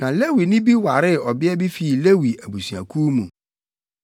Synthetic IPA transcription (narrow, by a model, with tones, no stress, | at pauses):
nã˨le˦wi˨nɪ̃˦bi˦wa˨ɾɪ˦˨ɔ˨bɪ˦ɛ˦bi˦fi˨le˦wi˨æ˨bu˨si˨ã̰˨kʰu˦mũ˨